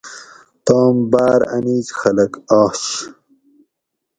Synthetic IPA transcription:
t̪ɑːmbaːɾɐ̰niːt͡ɕxɐlɐkɑːɕ

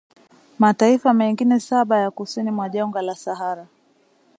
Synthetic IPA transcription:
mataifamɛŋɡinɛsaɓajakusinimwaʄaŋɡalasaɦaɾa

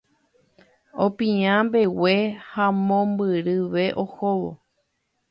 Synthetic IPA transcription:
õpĩãmbe̞we̞hamõmbɨɾɨʋe̞ʔo̞hoʋo̰

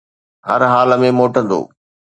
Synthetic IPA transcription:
ɦɐɾɦaːlmẽmoːʈə̃nd̪o̰ː

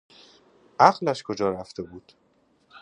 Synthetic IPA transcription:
ʔæʁlæʃkʰo̞d͡ʒɒːɾæft̪e̞buːd̪̥

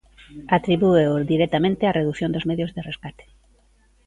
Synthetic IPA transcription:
at̪ɾiβueoðiɾɛt̪amẽnt̪eareðuθjõnd̪ozmeðjoʊzðereskat̪e̥

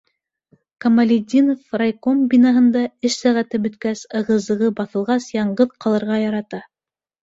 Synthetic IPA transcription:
kɐmɐlʲid̪ʲinofrajkombʲinɑɦɤ̆nd̪ɑɘʃsæʁæt̪ɘbɵ̆t̪kæsɤ̆ʁɤ̆zɤ̆ʁɤbɑθɤ̆lˠʁɑsjɑɴɢɤðqɑlˠɤ̆ɾʁɑjɑɾɑt̪ɑ

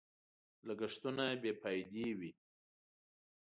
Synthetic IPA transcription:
laɡaʂt̪unabepɑjd̪ewi

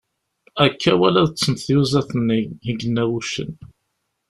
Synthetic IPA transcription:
ækʰːæwælæðət͡sːənθjuzæθənːihəɡənːæwuʃə̰n

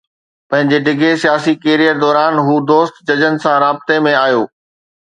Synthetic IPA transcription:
pɐ̃ɦɪ̃ɲd͡ʑeɖɪɡʱesijaːsikeːɾijəɾd̪ɔːɾaːnɦuːd̪oːst̪d͡ʑɐd͡ʑənɪ̆sãɾaːbɪt̪emẽaːjoː

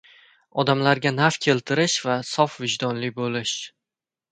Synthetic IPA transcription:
ɒd̪amlaɾɡʲanafkʲʰe̞lt̪ʰɪɾɪʃvasɒfvɪd͡ʒd̪ɒnlɪbolɪʃ

